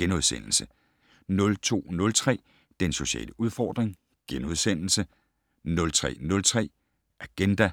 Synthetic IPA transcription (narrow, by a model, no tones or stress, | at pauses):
ɡ̥enoðˠsḛn̰l̩sə | nɔ̽lt͡sʰo̝̰ːnɔ̽lt͡sʰʁɛ̰ː | d̥enso̝ɕɛ̰ːləʔuð̞ˠfɒːd̥ʁeŋ | ɡ̥enoð̞ˠsen̰l̩sə | nɔ̽lt͡sʰʁɛ̰ːnɔ̽lt͡sʰʁɛ̰ː | ʔæɡ̥end̥æ